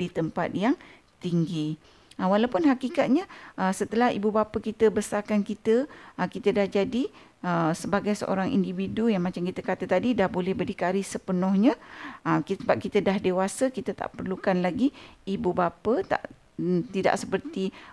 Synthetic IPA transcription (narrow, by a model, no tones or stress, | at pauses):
dit̪əmpa̰t̪̚jaŋ | t̪iŋɡi | əwalawpʊnɦakikat̪̚ɲãʔəsət̪əlaɦḭbubapəkit̪əbəsarkankit̪əəkit̪ədahd͡ʒadi | əsəbaɡajsə̰ʔo̰ɾaŋʔḭndividujaŋmãt͡ʃamkit̪əkat̪ət̪adidahbolɛhbədikaɾɪhsəpənɔhɲãəkisəbap̚kit̪ədahdewasəkit̪ət̪a̰ʔpərlukanlaɡiːbubapət̪a̰ʔ | t̪ida̰ʔsəpərt̪i